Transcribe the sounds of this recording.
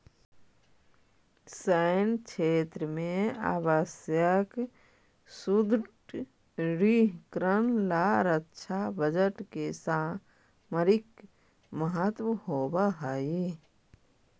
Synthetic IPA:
səɪnkʰeːt̪ɾəmẽa̰ːʋəsjək | sud̪ʈ | ɾiɦkɾənlaɾətʃʰabəd͡ʒəʈkesaː | məɾɪk | məɦət̪wəhoːbaɦai

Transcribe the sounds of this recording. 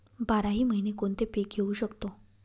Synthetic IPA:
baɾaɦiːməɦinekont̪epek̚ɡʱeuɕəkt̪o

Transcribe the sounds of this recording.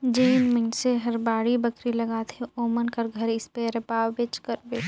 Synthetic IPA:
d͡ʒeːnməɪnseɦɐɾbaːɽibəkɾilɐɡaːt̪ʰeoːmənkɐɾɡʱəɾɪspeɾəpaːwbet͡ʃkəɾbe

